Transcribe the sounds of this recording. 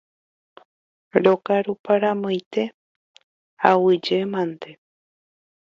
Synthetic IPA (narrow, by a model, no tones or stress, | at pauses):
ɾokaɾupaɾamõjt̪e̞ | awɨd͡ʒemãnd̪e